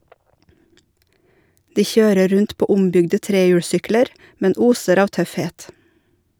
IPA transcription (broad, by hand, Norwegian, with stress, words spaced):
ˈdiː ˈçøːɾə ˈɾʉnt ˈpoː ˈʊmbʏɡdə ˈtɾeːjʉːɽˌsʏkləɾ ˈmɛn ˈuːsəɾ ˈɑːʋ ˈtœfˌheːt